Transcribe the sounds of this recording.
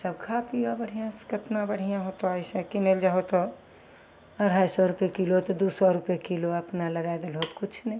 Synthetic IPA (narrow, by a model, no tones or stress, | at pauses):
səb̚kʰapiabəɽ̤ijãskɪt̪nabəɽ̤ijãɦot̪oaɪsẽkineld͡ʒaɦot̪o | əɽ̤aːjsɔɾupekilot̪d̪uːsɔɾupekiloɐpnaləɡaed̪elɦoːt̪kʊt͡ʃʰnej